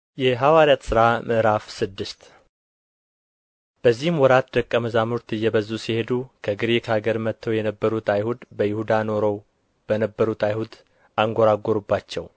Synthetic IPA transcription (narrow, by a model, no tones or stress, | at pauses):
jɛɦawaɾijat̪sɨɾaməʔɾafsɨd̪ːɨst̪ | b̥əzːihɨmwɔɾat̪d̪əkʼːəməzamuɾt̪ɨjːɛbəzːusihe̞d̪ukʰəɡɨɾekʰaɡəɾmət̪ʰːəwjɛnəbːəɾut̪ʰajhud̪bəjɪhud̪ano̞ɾəw | b̥ənəbːəɾut̪ajhud̪ | ʔaŋɡʷoɾaɡoɾubːat͡ʃːɛw